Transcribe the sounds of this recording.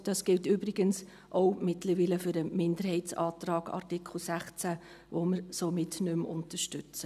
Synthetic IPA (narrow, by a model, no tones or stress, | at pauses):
d̥ɑsɡ̥ɪltybɾɪɡ̥əns | ʔowmɪtləɾʋiːləfʏɾəmɪndəɾhɛɪt͡sɑ̰ːtrɑːɡ̥ɑ̰ɾtikʰl̩ˠsæχt͡sæ | ʋoməɾsomɪtnʏmʊ̰ntəʃtʏt͡sə